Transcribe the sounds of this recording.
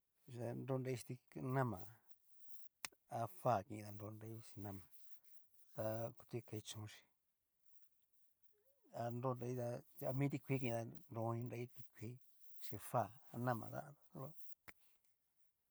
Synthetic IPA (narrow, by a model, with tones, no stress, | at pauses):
a˧ndo˦˧nɾa˧i˦i̥˧t̪i˧nã˦mã̰˨ | a˧fa˦˨kĩ˧˨ĩ˧ða˧ndo˧nda˧i˦ʂi̥˧nã˦mã˨ | t̪a˧ku̥˧t̪i˦˧ka˧i˧t͡ʃũ˨˦˧ʃi̥˧ | a˧ndo˦˧nɾa˧i˦t̪a˧a˧mĩ˦t̪i˧kʷi˧˦k̬ĩ˧ĩ˧ða˧nɾõ˧ɲĩ˧nda˧˦i˦t̪i˧kʷiː˦ | ʃi˧fa˦˨a˧nã˦˧mã̰˨ða̰˦˧a˧˦lo˦